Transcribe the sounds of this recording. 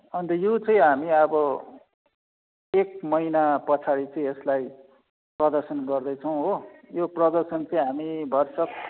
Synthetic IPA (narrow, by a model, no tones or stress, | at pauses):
ʌnt̪ʌjot͡sʌĩɦamiʌbʌ | ek̚mʌjnapʌt͡sʰaɽit͡sʌĩeslaj | prʌd̪ʌrsʌnɡʌrd̪ʌjt͡sʰʌw̃ɦojoprʌd̪ʌrsʌnt͡sʌĩɦamibʱʌrsʌk̚